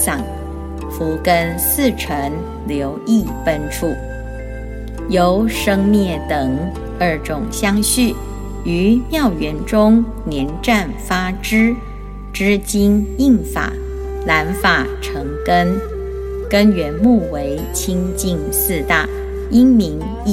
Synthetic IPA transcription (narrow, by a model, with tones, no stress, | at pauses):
sɑ˨˩ŋ | fu˧˥kə˥nsɹ̩˥˩ʈ͡ʂʰə˧˥ŋ | ljo˧˥ʊi˥˩pə˥nʈ͡ʂʰu˥˩ | jo˧˥ʊʂɤ˥ŋmjɛ˥˩t̪ɤ˨˩ŋ | ə˞˥˩ʈ͡ʂʊ˨˩ŋɕjɑ˥ŋɕy˥˩ | y˧˥mjɑ˥˩ʊɥɛ˧˥nʈ͡ʂʊ˥ŋ | njɛ˧˥nʈ͡ʂa˥˩nfa˥ʈ͡ʂɻ̩˥ | ʈ͡ʂɻ̩˥t͡ɕi˥ni˥˩ŋfa̰˨˩˦ | la˧˥nfa˨˩ʈ͡ʂʰɤ˧˥ŋkə˥n | kə˥nɥɛ˧˥nmu˥˩we˧˥ɪt͡ɕʰi˥ŋt͡ɕi˥˧ŋ | sɹ̩˥˧t̪a˥˩ | i˥ŋmi˧˥ŋ˥˧